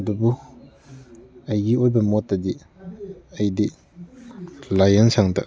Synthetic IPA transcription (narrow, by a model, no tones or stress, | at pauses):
ɐdubu | ɐjɡiojbɐmɔtːadi | ɐjdi | lajansaŋda̰